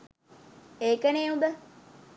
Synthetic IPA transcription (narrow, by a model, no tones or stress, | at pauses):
eːkəneːubə